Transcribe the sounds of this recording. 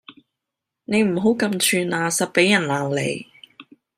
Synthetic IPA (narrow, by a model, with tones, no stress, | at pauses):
ne˨˧jm̩˨˩ɦo˨˥wkɐ˧mt͡ʃʰyː˧naː˧sɐ˨t̚pe˨˥jːɐ˨˩nlaː˨˩ŋlḛ˨˧j